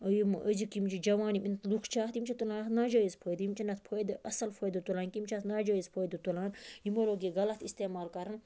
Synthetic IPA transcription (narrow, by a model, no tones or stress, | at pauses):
jimʔəzikimt͡ʃʰid͡ʒɐʋaːnimint̪lukʰt͡ʃʰaːt̪imt͡ʃʰit̪ulaːnt̪naːd͡ʒaːizpʰoːjd̪jimt͡ʃʰinɐt̪̚ʰpʰoːjd̪ɨʔɐsɐlfʰoːjd̪ɨt̪ulaːnkimt͡ʃʰaːt̪naːd͡ʒaːizpʰoːjd̪ɨt̪ulaːnɦimoloːɡiɡɐlɐt̪ʰist̪eːmaːlkɐɾɐn